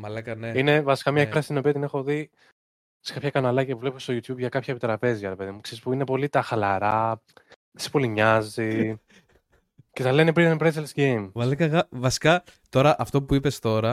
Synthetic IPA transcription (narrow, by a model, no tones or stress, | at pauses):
mɐlɐkɐneine̞vɐsi̥kɐmɲɐoɾɐst̪ino̞piɐt̪ine̞xo̞ði | sekɐpçɐkɐnɐlɐciɐpuvlepust̪ojut̪çubʝɐkɐpçɐepit̪ɾɐpe̞zʝɐɾe̞pe̞ðimukseɾispuinepo̞lit̪ɐxɐlɐɾɐ | esi̥poliɲɐzi | ceθɐlenepɾinpɾeselsɡejmmɐlɐkɐɣɐvɐsi̥kɐt̪o̞ɾɐʔɐft̪o̞puipe̞st̪o̞ɾɐ